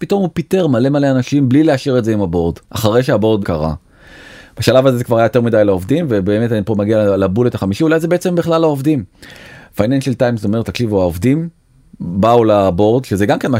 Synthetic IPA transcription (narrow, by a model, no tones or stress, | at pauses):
pito̞mupite̞ʁmale̞maleanaʃimblileaʃiʁetzeimabo̞ʁdʔaχaʁejʃeabo̞ʁdkaʁa̰ | b̥aʃalavazezekvaʁajajot̪e̞midajlao̞vdimvebeːme̞tanipomaɡialabuletaχamiʃiulajzebeet͡se̞mbiχlalaovdimfainenʃeltajmzeometːakʃivuaovdim | baulabo̞ʁdʃezeɡamkenma